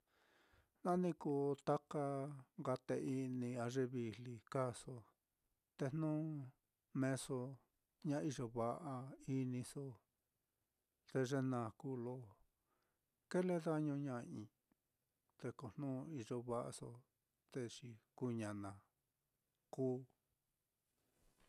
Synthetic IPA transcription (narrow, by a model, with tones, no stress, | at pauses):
nã˦nĩ˧ku˧˨t̪a˦ka˧ŋɡa˧t̪e˧i˧nĩ˧a˧ʐe˧βi˧li˧ka˦˨so˧ | t̪e˧n̥nũː˦ | mẽ˦˧so˧ | ɲã˧˦˧i˧ʒo˧βa˧ʔa˧i˦nĩ˧so˧ | t̪e˧ʐe˦nã˨ku˦lo˦˨ | ke˦le˦ða˦ɲũ˧ɲã˧ĩ˧ | t̪e˧ko˧˨n̥nũː˦i˧ʒo˧βa˧ʔa̰˧so̰˧ | t̪e˧ʂi˧ku˧ɲã˨nã˨ | kuː˦